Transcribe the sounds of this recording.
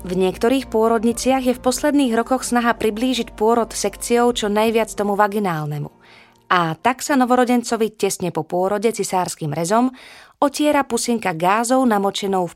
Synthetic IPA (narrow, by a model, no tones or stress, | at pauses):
vɲɪɛkt̪ɔɾiːxpʊɔɾɔd̪ɲit͡sɪaɣjɛfpɔslɛd̪niːɣɾɔkɔxsnaɦapɾibliːʒicpʊɔɾɔt̪sɛkt͡siɔʊt͡ʃɔnajʋɪat͡st̪ɔmuʋaɡinaːlnɛmṵ | at̪aksanɔʋɔɾɔɟɛnt͡sɔʋicɛsɲɛpɔpʊɔɾɔɟɛt͡sisaːɾskiːmɾɛzɔmɔcɪɛɾapusiŋkaɡaːzɔʊnamɔt͡ʃɛnɔʊf